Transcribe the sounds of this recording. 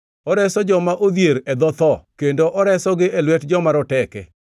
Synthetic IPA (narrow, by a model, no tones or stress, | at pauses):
ɔɾɛsɔd͡ʒɔmaʔod̪jeɾɛd̪ɔt̪ɔkendoʔɔɾɛsɔɡɪʔelwɛtd͡ʒɔmaɾɔtɛkɛ̰